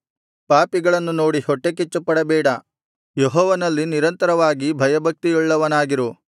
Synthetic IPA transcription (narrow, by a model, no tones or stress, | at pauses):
paːpiɡɐɭɐnːuno̞ːɽihɔʈːek̬it͡ʃːupːɐɽɐbɛːɽɐ | jeɦɔːʋɐnɐlːiniɾɐnt̪ɐɾɐʋaːɡibʱɐjɐbʱɐk̚t̪ijuɭːɐʋɐnaːɡiɾu